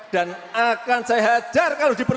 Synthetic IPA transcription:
d̥anakansaɦad͡ʒ̥arkalodipər

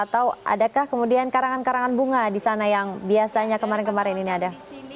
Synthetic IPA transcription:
at̪awʔa̰dakahkəmudiankaɾaŋankaɾaŋanbuŋadisanajaŋbiasaɲakəmaɾɪnkəmaɾɪnniniada

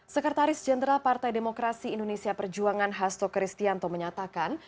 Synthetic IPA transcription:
səkət̪aɾɪsd͡ʒɛndəɾalpart̪ajdemokɾasiːndonesiapərd͡ʒuaŋanɦast̪okɾist̪iant̪oməɲat̪akan

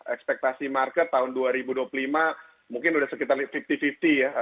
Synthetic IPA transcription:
ɛkspɛk̚t̪asimarkət̪ːaɦʊnduaɾibuduaplulima | muŋkɪnudahsəkit̪arfift̪ifift̪ija

